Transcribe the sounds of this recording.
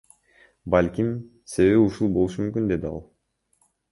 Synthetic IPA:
balʲkʲim | se̞βe̞βiuʃulˠbo̞lˠuʃumymkʲynd̪e̞d̪iɑ̰lˠ

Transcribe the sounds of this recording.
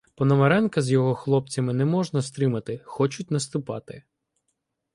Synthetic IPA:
pɔnɔmɐɾɛnkɐzjɔɦɔxlˠɔp̚t͡sʲɐmɪnɛmɔʒnɐst̪ɾɪmɐt̪ɪxɔt͡ʃʊt̚ʲnɐst̪ʊpɑ̰t̪ɪ

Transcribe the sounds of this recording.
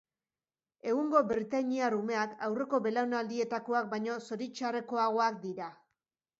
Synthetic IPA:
e̞ɣuŋɡo̞biɾt̪aɲiarume̞akawre̞ko̞be̞lawnald̪ie̞t̪ako̞ak̚bajɲo̞so̞ɾit͡ʃare̞ko̞aɣ̞o̞akd̪iɾa

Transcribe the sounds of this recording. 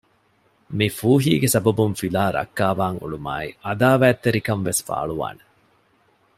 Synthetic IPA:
mifuːɦḭːɡesɐbɐbunfilaːɾɐ̰kːaːʋaːŋṵɭuma̰ːiʔɐd̪aːʋæːt̪ːeɾikɐɱʋesfa̰ːɭuʋa̰ːne

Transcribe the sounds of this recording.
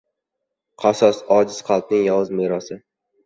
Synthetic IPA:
qʰɑsɒsɒd͡ʒɪz̥qʰɑlˠp̪̚nɪŋjɒwɨzmeɾɒsɪ

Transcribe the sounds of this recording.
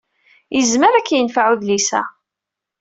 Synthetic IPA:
jəzməɾækːjənfaʕuðlisæ̰

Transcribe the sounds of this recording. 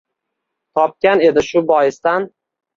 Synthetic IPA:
t̪ʰɒp̚kʲane̞d̪ɪʃʊbɒjɪst̪an

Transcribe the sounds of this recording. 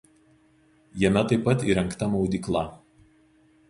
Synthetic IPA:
jɛmʲɛt̪ɐɪpːɐt̪iːɾɐŋkt̪ɐmɔʊd̪ʲiːklˠɐˑ

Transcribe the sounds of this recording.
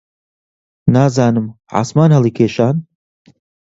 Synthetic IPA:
naːzaːnɨm | ʕa̰ːsmaːnhɐlˠikʰeːʃaːn

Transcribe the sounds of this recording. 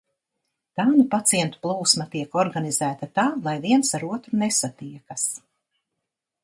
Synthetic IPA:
t̪aːnupat̪sijɛnt̪u̥plˠuːsmat̪iɛkɔɾɡanizæːt̪at̪aːlˠajviɛnsaɾuɔt̪ɾunesat̪iɛkas

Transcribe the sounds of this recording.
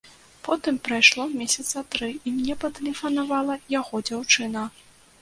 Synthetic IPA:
pɔt̪ɨmpɾajʂlˠɔmʲɛsʲɐt̪sɐt̪ɾɨimnʲɛpɐt̪ɛlʲɛfɐnavalˠɐjaɣɔd͡zʲawt͡ʂɨnɐ

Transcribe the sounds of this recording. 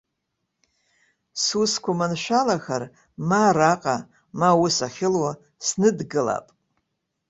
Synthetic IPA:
suskʷʰamanʃʷᶣalaxar | maɾaqʼa | mawʊsaχʲɪlwa | snɨdɡɨla̰pʼ

